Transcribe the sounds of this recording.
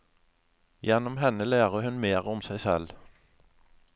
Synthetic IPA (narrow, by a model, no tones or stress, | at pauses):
jɛnɔmhɛnəlæːʁəhʉnmeːʁɔmsæɪsɛl